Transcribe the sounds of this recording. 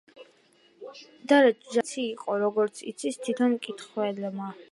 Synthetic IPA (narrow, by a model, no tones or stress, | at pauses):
d̪aɾɛt͡ʃʰd͡ʒat̪sʰiːqʼɔɾɔɡɔɾt̪sʰḭt̪sʰist̪ʰwit̪ʰɔnkʼit̪χwɛlɛma